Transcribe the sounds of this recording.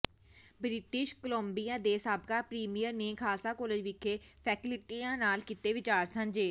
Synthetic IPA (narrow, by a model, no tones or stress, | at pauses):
bɾɪʈɪʃkəlõːmbijãːd̪eːsaːbkaːpɾiːmijəɾneːkʰaːsaːkoːled͡ʒʋɪkʰːeːpʰɛːkɪlɪʈiːãːnaːlkɪt̪eːʋɪt͡ʃaːɾsə̃nd͡ʒeː